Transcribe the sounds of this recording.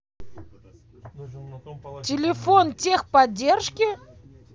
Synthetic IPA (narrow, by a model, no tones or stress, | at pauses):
tʲɪlʲɪfontʲexpɐdʲːerʂkʲɪ